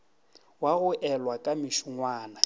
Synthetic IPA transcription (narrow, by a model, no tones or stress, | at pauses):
waɣʊʔɛlwakʼamɪʃʊŋwaːna